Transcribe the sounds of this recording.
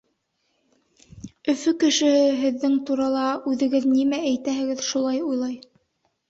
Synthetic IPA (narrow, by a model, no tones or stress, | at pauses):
ɵ̆fɵkɘ̆ʃɘ̆hɘɦɘ̆ðːɘŋt̪uɾɑlˠɑʉðɘ̆ɡɘðnimææjt̪æɦɘ̆ɡɘðʃulˠɑjujlˠɑj